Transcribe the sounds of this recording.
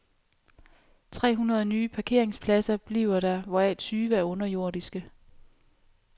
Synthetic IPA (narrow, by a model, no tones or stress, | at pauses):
t͡sʰʁɛ̰ːɦunɐð̞̩ˠnyːpʰɑ̈kʰe̝ɐ̰eŋspʰlæsɐb̥liːʊ̰ɐɾɑʋɒɛlsʰyːʋəæɐɔ̽nɐjo̝ɐ̰disɡ̥ə